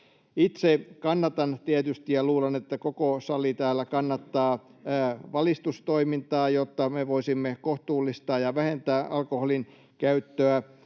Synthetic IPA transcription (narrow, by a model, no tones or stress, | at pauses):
it̪sekɑnːɑt̪ɑnt̪iet̪yst̪ijɑluːlenet̪ːækokosɑlit̪æːlːækɑnːɑt̪ːɑː | ʋɑlist̪ust̪oimint̪ɑːjot̪ːɑmeʋoisimːekoht̪uːlːist̪ɑːjɑʋæhent̪æːʔɑlkoholin | kæyt̪ːøæ